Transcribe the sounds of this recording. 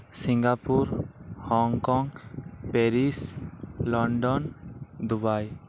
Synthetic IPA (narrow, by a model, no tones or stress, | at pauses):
siŋɡapuɾhɔŋkɔŋpɛɾislɔɳɖɔnd̪ubaj